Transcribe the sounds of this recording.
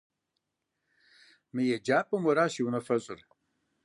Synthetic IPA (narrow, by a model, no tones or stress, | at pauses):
mɨjɛd͡ʒaːpʼɨmɐɾaːʃiwunɐfɐɕʼɪ̰r